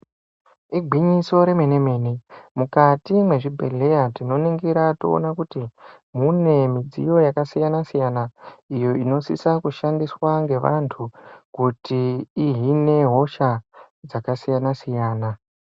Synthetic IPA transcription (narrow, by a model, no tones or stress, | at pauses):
iɡʱiɲiso̞ɾe̞meneme̞ːnemukatimwe̞ʐibʱe̞̰ɮe̞jatino̞niŋɡiɾatoo̰nakuti | mune̞mid͡zḭjo̞jakasijanasijanaijo̞ino̞sisakuʃandiswaŋɡe̞ʋa̰ntʰukutiːɦine̞ɦo̞ʃa | d͡zakasijanasijaːna